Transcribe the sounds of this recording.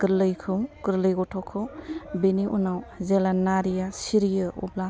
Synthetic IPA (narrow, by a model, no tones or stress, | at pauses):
ɡɯɾlɯjkʰɯwɡɯɾlɯjɡɔtʰɔkʰɯwbeniʔunawzelanːaɾijasiɾijɯṵbla